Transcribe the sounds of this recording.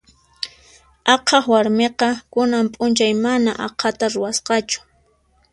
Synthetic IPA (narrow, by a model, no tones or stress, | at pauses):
ɑqʰɑχwaɾmeqɑkʊnampʼʊnt͡ʃajmanaʔɑqʰat̪aɾʊwasqɑt͡ʃʊ̥